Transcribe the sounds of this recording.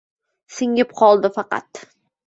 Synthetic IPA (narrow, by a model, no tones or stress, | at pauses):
sɪŋɪp̚qʰɒlˠd̪ɪfɑqɑ̰t̪